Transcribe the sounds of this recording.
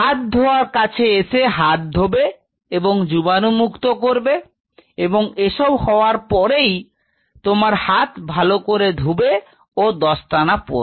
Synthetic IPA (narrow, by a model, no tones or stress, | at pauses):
ɦat̪̚d̪ʱooaɾkat͡ɕʰeeʃeɦat̪̚d̪ʱobe | eboŋd͡ʑubanumukt̪okoɾbe | eboŋeʃɔbhɔoaɾpɔɾej | t̪omaɾhat̪bʱalokoɾed̪ʱube | od̪ɔʃʈanapo̰ɾ